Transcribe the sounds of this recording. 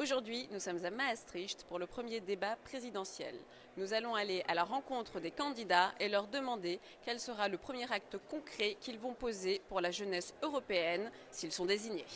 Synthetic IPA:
oʒuʁd̪ɥinusɔmzamaːst̪χiʃt̪puʁləpχəmjed̪ebapχezid̪ɑ̃sjɛ̰l | nuzalɔ̃aleʔalaʁɑ̃kɔ̃t̪χəd̪ekɑ̃d̪id̪aelœʁd̪əmɑ̃d̪e | kɛlsəʁaləpχəmjɛʁak̚t̪kɔ̃kχɛkʲilvɔ̃pozepuʁlaʒənɛsøʁɔpeɛn | silsɔ̃d̪eziɲe

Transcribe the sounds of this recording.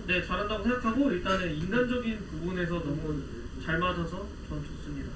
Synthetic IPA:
ne̞t͡ɕaɾɦandaɡosʰe̞ŋɡakʰaɡoiɭt͈ane̞inːand͡ʑʌɡinpubune̞s̬ʰʌnʌmu | t͡ɕaɭmad͡ʑʌsʰʌ | t͡ɕʌmt͡ɕos͈ɯmɲida

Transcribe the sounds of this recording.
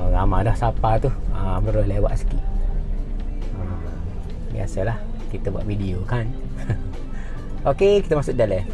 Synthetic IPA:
ɡamadahsapat̪uhəbəɾolewa̰ʔsə̥kiʔ | ə | bḭa̰salah | kit̪əbua̰ʔvidiokan | okekit̪əmasuʔ̚dalɛ

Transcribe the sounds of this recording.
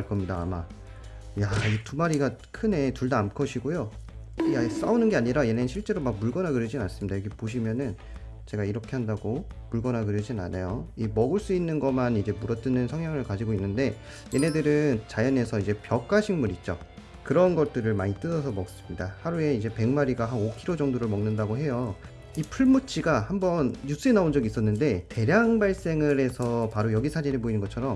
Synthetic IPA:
ɭk͈ʌmɲidaːma | jaitumaɾiɡakʰɯne̞tuɭdaːmkʰʌɕʰiɡojo | jas͈aunɯnɡe̞aɲiɾaje̞ne̞nɯnɕʰiɭt͡ɕ͈e̞ɾomak̚muɭɡʌnaɡɯɾɯd͡ʑinans͈ɯmɲidajʌɡepoɕ̬ʰimjʌnɯn | t͡ɕe̞ɡaiɾʌkʰe̞ɦandaɡo | muɭɡʌnaɡɯɾɯd͡ʑinna̰nʔejoimʌɡɯɭs͈uinːɯnɡʌmanid͡ʑe̞muɾʌt͈ɯnɯnsʰʌŋjaŋɯɭkad͡ʑiɡoinːɯnde̞ | je̞ne̞dɯɾɯnt͡ɕajʌne̞sʰʌid͡ʑe̞pjʌk͈aɕʰiŋmuɾit̚t͡ɕ͈o̰ | kɯɾʌnɡʌt̚t͈ɯɾɯɭmaɲit͈ɯdʌsʰʌmʌk̚s͈ɯmɲidahaɾue̞id͡ʑe̞pe̞ŋmaɾiɡaɦanokʰiɾod͡ʑʌŋdoɾɯɭmʌŋnɯndaɡoɦe̞jo | ipʰuɭmut͡ɕʰiɡahambʌnjus͈ɯe̞naond͡ʑʌɡiːs͈ʌnːɯnde̞te̞ɾjaŋbaɭs͈e̞ŋɯɾe̞sʰʌpaɾojʌɡisʰad͡ʑiɾeboinɯnŋɡʌt͡ɕʰʌɾʌm

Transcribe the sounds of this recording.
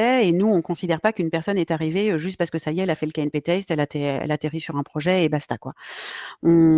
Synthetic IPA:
ɛenuɔ̃kɔ̃sid̪ɛʁpakynpɛʁsɔnɛt̪aʁiveøʒyst̪̚paʁsə̥kəsajɛɛlafɛləkainpet̪ɛst̪ɛlat̪eɛ̰lat̪eʁisyʁɛ̃pχɔʒɛebast̪akwa̰ | ɔ̃

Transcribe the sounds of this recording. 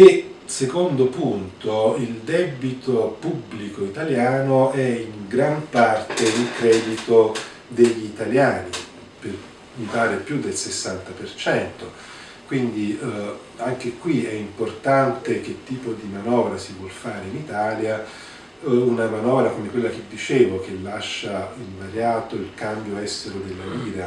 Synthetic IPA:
e | sekond̪opunt̪oild̪ɛbit̪opubːlikoit̪aljaːnoɛiŋɡɾampart̪eilkɾɛːd̪it̪o | d̪eʎːiːt̪aljaːni | pe | mipaːɾepjud̪ːelsesːant̪apert͡ʃɛnt̪o | kwind̪i | aŋk̟ekwiɛimport̪ant̪ek̟et̪ːiːpod̪imanɔːvɾasivwɔlfaːɾeinit̪aːlja | unamanɔːvɾakomekwelːak̟ed̪ːit͡ʃeːvok̟elːaʃːailmaɾjaːt̪oilkambjoɛst̪eɾod̪elːaiːɾa

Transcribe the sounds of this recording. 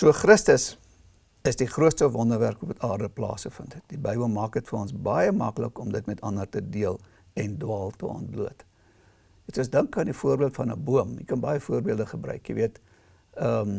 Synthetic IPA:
suəχrəstəs | əsdiχruətstəvɔndərværkɔpɐtɑːrdəplɑ̰ːsəfəntət̚dibəjbəlˠmɑːk̚dətfəɾɔnsbɐjəmɐklə̰kɔmdətmɛtɐnərtədiəlˠ | ɛndwɑːlˠtəɑ̰nt̚bluət | ɛsuəsdəŋkɐːndifuərbiəlˠtfɐnə̰buəmjḭkɐnbɐjəfuərbiəlˠdəχəbrœ̰ɥkjə̰viət | ə

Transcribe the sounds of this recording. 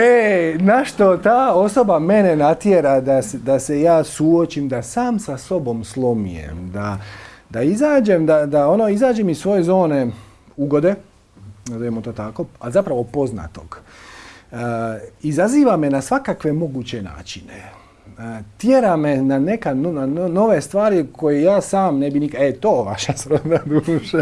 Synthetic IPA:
enaʃt̪o̞t̪aːo̞so̞bame̞nenat̪jeɾad̪ased̪ase̞jaːsuot͡ʃimd̪asaːmsaso̞bo̞mslˠo̞mijḛmd̪ad̪aizaːd͡ʒe̞md̪ad̪ao̞noizaːd͡ʒemissʋo̞je̞zo̞ːne̞ | uɡo̞d̪e̞ | nazojemot̪oːt̪ako̞alzapɾaʋo̞po̞zna̰t̪o̞̰ɡ̥ | izaziːʋame̞nasʋakakʋe̞mo̞ɡut͡ɕe̞na̰ːt͡ʃine | t̪jeɾamenane̞kanonanno̞ʋe̞st̪ʋaːɾiko̞jejaːsaːmnebinikaet̪oːʋaʃasɾod̪ad̪uːʃa

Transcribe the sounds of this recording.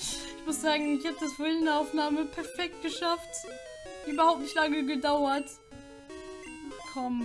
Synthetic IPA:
ʔɪçmʊsz̥aːɡŋ̩ɪçhatədasv̥ɪlnaʊfnaːməpʰɛɐfɛk̚t̚ɡ̥əʃaftː | yːbɐhaʊp̚tnɪçtlaŋəɡədaʊɐt | kʰɔm

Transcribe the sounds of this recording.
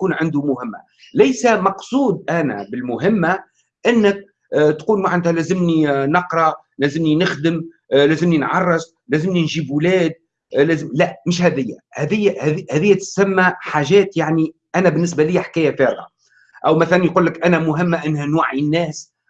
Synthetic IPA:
kuːnʕɪnd̪umʊhɪmːa̰ | læjsæmɑqsˤuːd̪̚ʔænæ̰bɪlmʊɦɪmːa | ʔɪnːɪk̚ | t̪quːlmaʕand̪hælæːzɪmninɑqɾˤɑ | læːzɪmninɪxd̪əm | læːzɪmninʕɑrˤːɑsˤ | læːzɪmninʒiːbwlæːd̪̚ | læzlæʔmɪʃ̬hæðɪjːæ̰hæðɪjːhðhæːðɪjːæt̪sæmːæħaʒɛːt̪jaʕniʔænæbɪnːɪs̬bæliːħkæːjæfæːɾɣa̰ | ʔæwmæθælænjqulːɪkʔænæmʊɦɪmːaʔɪnːhænwaʕinːɛːs

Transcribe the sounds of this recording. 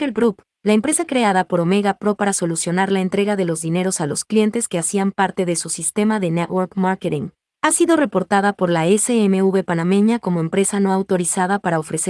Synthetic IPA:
kelbɾup | laempɾe̞sakɾe̞aðapo̞ɾo̞me̞ɣapɾo̞paɾaso̞lusjo̞naɾlaent̪ɾe̞ɣaðe̞lo̞zðine̞ɾo̞salo̞sklje̞nt̪e̞ske̞asiampaɾt̪e̞ðe̞susist̪e̞maðe̞net̪woɾkmaɾket̪iŋ | asiðo̞re̞po̞ɾt̪aðapo̞ɾlaeseeme̞uβe̞panamẽ̞ɲako̞mo̞empɾe̞sano̞awt̪o̞ɾisaðapaɾao̞fɾe̞se

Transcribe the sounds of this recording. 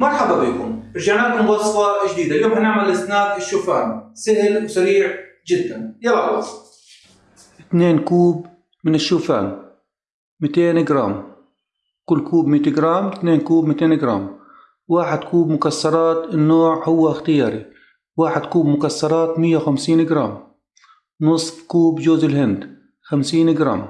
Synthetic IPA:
mɑɾˤħababiːkʊ̰mɪɾʒaʕnaːkʊmwɑsˤfɑʒd̪iːd̪aljoːmʔɪnːaʕmalʔɪsnaːkɪʃːuːfaːnsɪɦɪlwsaɾiːʕ | d͡ʒɪd̪ːanjabɑʕˤwɑ̰ | ʔɪt̪neːnkuːb | mɪnɪʃːuːfa̰ːn | mɪt̪eːnɡɾɑːm | kʊlːkuːbmiːt̪ɪɡɾˤɑːmt̪neːnkuːbmɪt̪eːnɪɡɾɑ̰ːm | waːħɪd̪kuːbmʊkasːɑɾˤɑːt̪ɪnːoːʕhʊwːaɪxt̪ɪjɑːɾi | waːħɪd̪kuːbmʊkasːɑɾˤɑːt̪mɪjːawxamsiːnʔɪɡɾɑːm | nɨsˤfkuːbd͡ʒoːzɪlɦɪnd̪ | xamsiːnʔɪɡɾɑ̰ːm

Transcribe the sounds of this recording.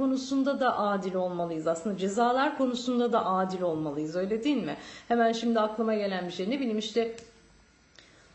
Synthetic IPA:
o̞nusund̪ad̪aʔaːd̪ilʲo̞lˠmalˠɯjɯzaslˠɯnd̪ad͡ʒe̞zaːlˠaɾkʰo̞nusund̪ad̪aʔaːd̪ilʲo̞lˠmalˠɯjɯzø̞jlʲed̪ijilʲmɪhemænʃimd̪iaklˠamaɟe̞lʲænbiʃeɾinebilʲimiʃt̪ɛ

